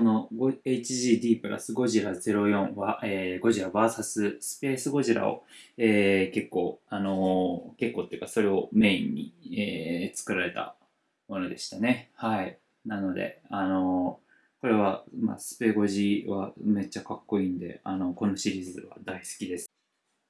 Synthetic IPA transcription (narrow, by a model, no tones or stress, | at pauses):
sono̞ɡoe̞it͡ɕiʑiːd̪ʲiːpɯ̟ɾa̰sɨɡo̞ʑiɾad͡ze̞ɾo̞jõ̞ɰ̃βaeːɡo̞ʑiɾabaːsasɨsɨ̥pe̞ːsɨɡo̞ʑiɾa̰o̰eːke̞kːo̞̰ːano̞ke̞kːo̞ːt̪ojiɯ̟kaso̞ɾe̞o̞me̞ːiɲ̟ːḭeːt͡sɨ̥kɯ̟ɾaɾe̞t̪a̰ | mo̞no̞d̪e̞ɕi̥t̪ane̞hai | nano̞d̪e̞̰ano̞ | ko̞ɾe̞β̞ama̰sɨ̥pe̞ːɡo̞ʑiβa̰me̞t͡ɕːakakːo̞iːnd̪e̞̰ano̞ko̞no̞ɕiɾʲiːzɨ̰βa̰d̪aisɨ̥kʲid̪e̞sɨ̥